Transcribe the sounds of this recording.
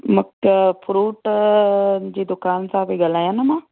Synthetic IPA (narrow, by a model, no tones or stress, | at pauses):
mɐkpʰʊɾuːʈ | d͡ʑiːd̪ʊkaːnsãbʱiɡɐlaːjanəmãː